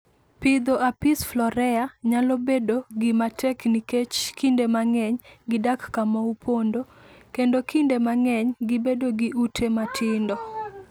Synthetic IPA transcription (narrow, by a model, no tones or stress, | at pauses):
pɪd̪oʔapɪsflɔɾɛaɲalobedoɡɪmatʰɛkniket͡ʃkindemaŋɛɲɡɪdakːamaupʰondo | kendokʰindemaŋɛɲɡɪbedoɡiʔutʰematʰɪndɔ